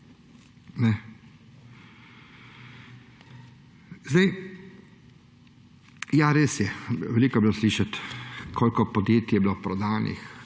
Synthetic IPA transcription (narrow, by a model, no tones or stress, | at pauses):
nɛ | zd̪ɛj | jaɾeːsjɛʋɛliːkɔblosliːʃat̪kʰoːlkɔpɔd̪jeːt̪jjɛbilopɾɔd̪aːnḭx